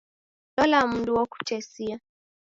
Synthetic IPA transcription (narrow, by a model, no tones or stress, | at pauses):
lɔlam̩nduwɔku̥t͡ʃɛsia